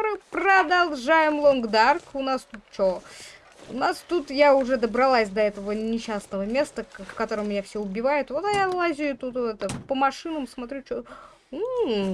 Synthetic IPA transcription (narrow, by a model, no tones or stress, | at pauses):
ɾɨpɾəd̪ɐlˠʐajɪmlˠonɡd̪arkʊnast̪ut̪̚t͡ɕo | ʊnast̪ut̪jaʊʐɛd̪əbɾɐlˠasʲd̪ɐɛt̪əvənʲɪɕːasnəvəmʲest̪əfkɐt̪o̞ɾəmʲːɪnʲafsʲoʊbʲɪvajʊt̪vot̪ɐjalˠazʲɪjʊt̪ut̪vɛt̪əpəmɐʂɨnəmsmɐt̪ɾʲut͡ɕo | u